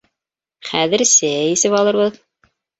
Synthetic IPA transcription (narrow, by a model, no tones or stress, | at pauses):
χæðɘ̆ɾsæjisɘpɑlˠɤ̆ɾβɤð